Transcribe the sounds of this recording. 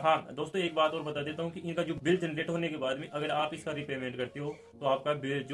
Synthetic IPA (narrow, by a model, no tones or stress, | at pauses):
ɦãːd̪oːst̪õeːk̚baːt̪ɔːɾbɐt̪ad̪eːt̪aɦũkiɪnkad͡ʒoːbɪld͡ʒɛnɾeːʈɦoːnekebaːd̪mẽʔɐɡəɾaːpɪskaɾɪpeːmẽːɳʈkɐɾt̪eɦoː | t̪oaːp̚kabɪld͡ʒ